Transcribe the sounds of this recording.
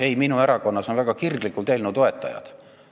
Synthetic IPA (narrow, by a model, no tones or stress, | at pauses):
e̞jminueɾɑko̞nːɑso̞nvæɡ̥ɑkirɡ̥likːˑult̪e̞ːlnut̪o̞e̞t̪ːˑɑ̰jɑ̰d̪̥